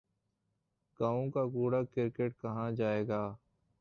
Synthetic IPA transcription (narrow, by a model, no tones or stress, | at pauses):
ɡ̥aːõːkaːkuːɽaːkɪɾkeːʈ̚kəɦãːd͡ʒaːeːɡaː